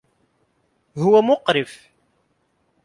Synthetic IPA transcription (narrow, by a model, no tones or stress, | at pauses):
hʊwæmʊqɾɪf